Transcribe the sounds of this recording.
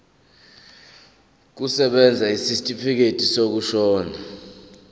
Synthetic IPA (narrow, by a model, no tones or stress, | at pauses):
k̬usɛɓɛnd͡zʱaisistʼifik̬etʼisok̬uʃɔːna